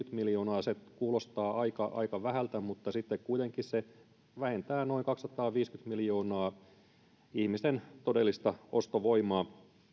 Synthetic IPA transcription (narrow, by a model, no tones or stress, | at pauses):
yt̪miljo̞ːnɑːsekuːlost̪ɑːʔɑikɑʔɑ̰ikɑʋæhælt̪æmut̪ːɑsit̪ːekkuit̪eŋkisse | ʋæhent̪æːno̞iŋkɑksːɑt̪ɑːʋiːskyt̪miljo̞ːnɑː | ihmist̪ent̪odelːist̪ɑʔost̪oʋoimɑː